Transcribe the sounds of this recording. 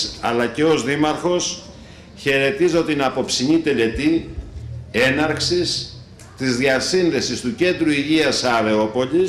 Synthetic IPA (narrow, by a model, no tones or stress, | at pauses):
ɐ̰lɐceo̞zðimɐɾxo̞s | çe̞ɾe̞t̪izot̪inɐpo̞psiɲit̪e̞le̞t̪i | e̞nɐɾksis | t̪izðiɐsinðe̞sist̪uce̞nd̪ɾuiʝiɐsɐðe̞o̞po̞li